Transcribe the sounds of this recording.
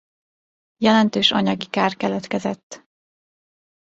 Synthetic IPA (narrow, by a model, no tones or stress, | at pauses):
jɛlɛnt̪øːʃɒ̰ɲɒɡikaːrkɛlɛt̪kɛzɛt̪ː